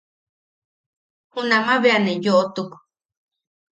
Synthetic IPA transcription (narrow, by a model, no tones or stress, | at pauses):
hunamaβeanejoʔot̪uk